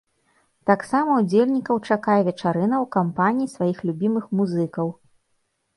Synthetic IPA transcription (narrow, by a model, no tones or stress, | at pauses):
t̪aksamɐud͡zʲelʲnʲikɐwt͡ʂakajɛvʲɛt͡ʂaɾɨnɐwkampanʲijisvajixlʲubʲimɨxmuzɨkɐw